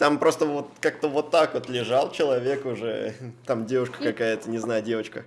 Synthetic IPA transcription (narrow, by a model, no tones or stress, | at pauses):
t̪ampɾo̞st̪əvo̞t̪kak̚t̪əvo̞t̪ːakvot̪lʲɪʐalˠt͡ɕɪlˠɐvʲekʊʐɛ̰t̪amdʲevʊʂkə̥kɐkajət̪ənʲɪznajdʲe̞vət͡ɕkə